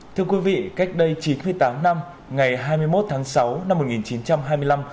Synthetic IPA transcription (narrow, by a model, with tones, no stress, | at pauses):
t̪ʰɨ˧əkwi˨˦vḭ˧˨ka˦˥jk̟̚ɗə˧jt͡ɕi˨˦nmɨ˧əjt̪aː˨˦mna˧m | ŋa˨˩jɦaː˧jmɨ˧əjmo˦˥t̚t̪ʰaː˨˦ŋsa˨˦wna˧mːo˨˩ŋi˨˩nt͡ɕi˨˦nt͡ɕa˧mɦaː˧jmɨ˧əjla˧m